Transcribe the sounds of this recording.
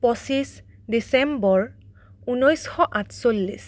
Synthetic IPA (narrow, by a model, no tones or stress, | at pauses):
pɔsisdisɛmbɔɹ | unɔjsxɔʔatʰsolːis